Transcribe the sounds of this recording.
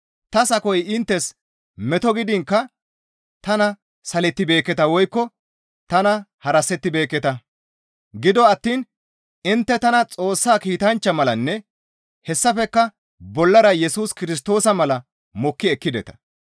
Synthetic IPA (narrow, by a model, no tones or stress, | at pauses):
t̪ɐsɐkɔjɪnt̪ːɛs | mɛt̪ɔɡɪd̪ɪŋkːɐ | t̪ɐnɐ | sɐlɛt̪ːɪbe̞ːkːɛt̪ɐwɔjkːɔ | t̪ɐnɐhɐɾɐsɛt̪ːɪbe̞ːkːɛt̪ɐ | ɡɪd̪ɔɐt̪ːiːn | ɪnt̪ːɛt̪ɐnɐt͡sʼo̞ːsːaːkiːt̪ɐnt͡ʃːɐmɐlɐnːɛ | hɛsːɐfɛkːɐ | bɔlːɐɾɐjɛsuːskɪɾɪs̬t̪o̞ːsɐmɐlɐ | mɔkːɪɛkːɪd̪ɛt̪ɐ̥